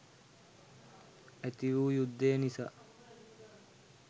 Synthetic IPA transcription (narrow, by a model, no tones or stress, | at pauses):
æt̪iʋuːjud̪ːeːnisa